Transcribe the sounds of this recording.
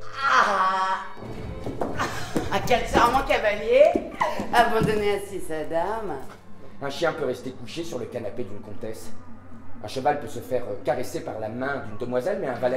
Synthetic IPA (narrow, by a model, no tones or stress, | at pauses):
a | akʲɛlsɛʁmɔ̃kavalje | avɑ̃d̪ɔneãsisad̪am | ɛ̃ʃjɛ̃pøʁɛst̪ekuʃesyʁləkanaped̪ynkɔ̃t̪ɛs | ɛ̃ʃəvalpøsəfɛʁkaʁesepaʁlamɛ̃d̪ynd̪əmwazɛlmɛɛ̃valɛ